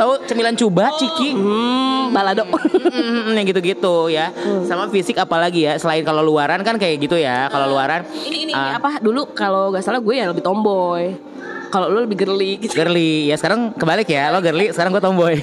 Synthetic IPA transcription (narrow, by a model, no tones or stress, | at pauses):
t̪aut͡ʃəmilant͡ʃubat͡ʃiki | baladoʔ̩ | jaŋɡit̪uɡit̪ujasamafisɪkapalaɡijasəlaɪnkaloluaɾankankajaʔɡit̪ujakaloluaɾaninəapadulukaloɡaʔsalaɡuɛjaləbɪht̪ɔmbɔj | kaloluləbɪhɡərliɡɡərlijasə̥kaɾaŋkəbalɪkjaloɡərlisəkaɾaŋɡuɛt̪ɔmbɔj